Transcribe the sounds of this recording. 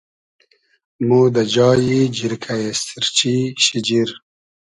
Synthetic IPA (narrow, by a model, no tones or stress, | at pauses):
muːd̪ad͡ʒɑːjid͡ʒiɾkʰajest̪iɾt͡ʃiɕid͡ʒiɾ